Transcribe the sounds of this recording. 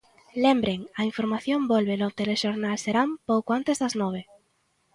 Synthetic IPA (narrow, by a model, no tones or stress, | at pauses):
lembɾeŋɐiɱfoɾmaθjombolβelot̪eleʃoɾnalseɾampowkoant̪ezðaznɔβ̞e